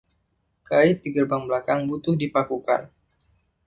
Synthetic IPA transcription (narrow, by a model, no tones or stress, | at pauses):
kaɪt̪̚diɡərbaŋblakaŋbut̪ʊhdipakuka̰n